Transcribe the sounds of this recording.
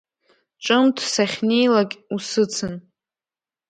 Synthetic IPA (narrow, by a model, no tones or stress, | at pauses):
ʈ͡ʂʼɨmtʰsaχʲne̞jlakʲʼusɨt͡sʰɨn